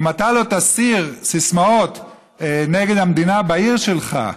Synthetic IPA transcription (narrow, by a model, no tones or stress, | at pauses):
mat̪alot̪asiʁsismao̞t̪ | neɡed̪hamd̪inabaiʁʃelχa̰